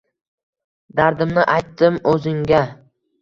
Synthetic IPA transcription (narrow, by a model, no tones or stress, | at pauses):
d̪aɾd̪ɪmnɪʔajt̪ːɪmɵzɪŋɡʲa